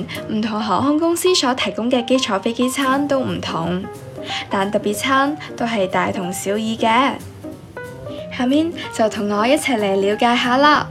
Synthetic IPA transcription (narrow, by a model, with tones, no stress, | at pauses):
nm̩˨˩t̪ʰʊ˨˩ŋɦɔː˨˥hʊ˥ŋkʊ˥ŋsiː˥sɔː˨˥t̪ʰɐ˨˩jkʊ˥ŋkɛː˧ke˥jt͡ʃʰɔː˨˥fe˥jke˥jt͡sʰaː˥nt̪o˥wm̩˨˩t̪ʰʊ˨˩ŋ | t̪aː˨nt̪ɐ˨k̚piː˨˩t̚t͡sʰaː˥nt̪o˥wɦɐ˨jt̪aː˨jt̪ʰʊ˨˩ŋsiː˨˥wjiː˨˧kɛː˧ | haː˨˧miː˧nt͡sɐ˨wt̪ʰʊ˨˩ŋːɔː˨˧jɐ˥t̚t͡sʰɐː˨˩k̚le˨˩jliː˨˧wkaː˨˧jɦaː˨˧laː˧˥